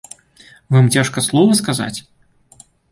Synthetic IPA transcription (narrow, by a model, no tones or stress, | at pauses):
vamt͡sʲaʂkɐslˠɔvɐskaza̰t͡sʲ